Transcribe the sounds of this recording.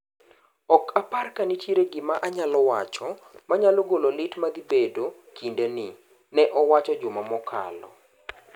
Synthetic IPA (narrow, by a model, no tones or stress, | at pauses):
ɔkʰaparkanitjeɾeɡɪmaʔaɲalɔwat͡ʃɔ | maɲalɔɡololɪtmad̪ibedo | kʰindenɪ | nɛʔɔwat͡ʃɔd͡ʒʊmamɔkʰa̰lɔ̰